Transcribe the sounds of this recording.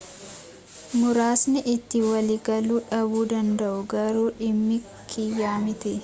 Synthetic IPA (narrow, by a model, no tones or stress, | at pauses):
mʊɾaːsnɪʔɪt̪ːɪwɐliːɡɐluːᶑɐbuːd̪ɐnd̪ɐʔʊɡɐɾuːᶑɪmːɪ | kʰɪjːaːmɪt̪ɛ